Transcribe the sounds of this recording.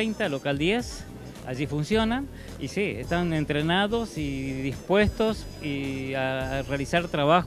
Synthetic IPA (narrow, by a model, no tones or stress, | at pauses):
ejnt̪alo̞kald̪je̞s | a̰ʒifunsjo̞nan | isiest̪ane̞nt̪ɾenaðo̞siðispwe̞st̪os | iarealisaɾt̪ɾaβax